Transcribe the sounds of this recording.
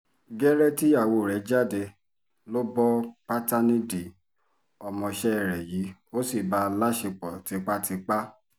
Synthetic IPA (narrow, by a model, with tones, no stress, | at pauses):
ɡɛ˦ɾɛ˦ti˦a˦˨wo˧˨ɾɛ˨˦d͡ʒa˦˨de˧ | lo˦bɔ˦k͡pa˦ta˦nĩ˦di˨ | ɔ˧mɔ̃˧ʃɛ˦ɛ˦˨ɾɛ˨ji˨˦o˦si˦˨ba˧˦la˦ʃe˧k͡pɔ˨ti˨˧k͡pa˦tʰi˧k͡pa˦